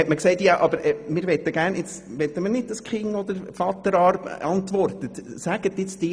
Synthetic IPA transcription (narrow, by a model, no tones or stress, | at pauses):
ɛtməksɛɪtjɑʔɑbəɾɛmɪːɾʋɛt̪ːəɡæːɾnɪt͡s | ʋɛt̪ːəmənɪd̥̚əskχɪŋɔd̪əɾfɑt̪əɾɑɾbɑnt̪ʋɔrtətsæɡət̪ːɪt͡sd̥̪ɪː